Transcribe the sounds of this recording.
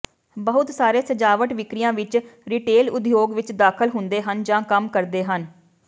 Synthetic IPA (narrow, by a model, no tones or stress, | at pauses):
bəɦʊt̪saːɾeːsəd͡ʒaːʋəʈʋɪkɾɪjãːʋɪt͡ʃɾɪʈeːlʊd̪joːɡʋɪt͡ʃd̪aːkʰəlɦʊnd̪eːɦənd͡ʒãːkəmkəɾd̪eːɦən